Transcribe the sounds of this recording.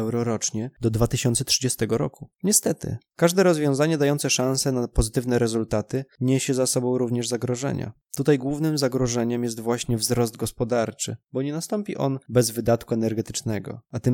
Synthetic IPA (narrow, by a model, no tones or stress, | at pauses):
ɛwɾɔɾɔt͡ʂɲɛd̪ɔd̪vat̪ɘɕɔnt̪sɛtʂɘd͡ʑɛst̪ɛɡɔɾɔkuɲɛst̪ɛt̪ɘ̰kaʐd̪ɛɾɔzvʲjɔ̃w̃zaɲɛd̪ajɔnt̪sɛʂãñsɛnapɔzɘt̪ɘvnɛɾɛzult̪at̪ɘɲeɕɛzasɔbɔ̃w̃ɾuvɲɛʐzaɡɾɔʐɛ̰ɲa̰ | t̪ut̪ajɡwuvnɘmzaɡɾɔʐɛɲɛmjɛs̬t̪vwaɕɲɛvzɾɔzd̪̚ɡɔspɔd̪aɾt͡ʂɘbɔɲɛnast̪ɔmpʲiʔɔnbɛzvɘd̪at̪kuɛnɛɾɡɛt̪ɘ̥t͡ʂnɛɡɔ̰at̪ɘm